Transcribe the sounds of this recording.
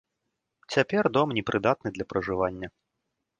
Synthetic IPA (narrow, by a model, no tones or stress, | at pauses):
t͡sʲapʲɛrd̪ɔmnʲɛpɾʔɨd̪at̪̚nɨd̪lʲɐpɾɐʐɨvanʲːɐ